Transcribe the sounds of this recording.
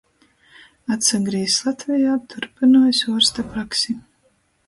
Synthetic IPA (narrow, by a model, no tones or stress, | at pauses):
at̪saɡɾiːslˠat̪vijaːt̪ʰuɾpinuːjsuɔɾst̪apɾaksi